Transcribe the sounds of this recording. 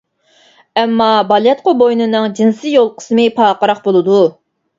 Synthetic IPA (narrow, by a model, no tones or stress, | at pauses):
ɛmːɑbɑlˠjɛt̪̚qʰʊbojnɨnɨŋd͡ʒinsɨjolˠqʰə̥smɨpʰɑːqəɾɑqbolˠɨd̪u